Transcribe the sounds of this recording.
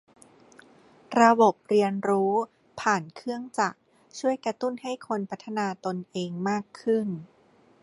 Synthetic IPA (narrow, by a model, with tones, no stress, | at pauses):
ɾa˧bo˨˩p̚ɾi˧ənɾuː˦˥ | pʰaː˨˩nkʰɯ˥˩əŋt͡ɕa˨˩k̚ | t͡ɕʰu˥˩əjkɾa˧t̪u˥˩nha˥˩jkʰo˧npʰa˦˥t̪ʰːa˧naː˧t̪o˧nʔeː˧ŋmaː˥˩kʰːɯ˥˩n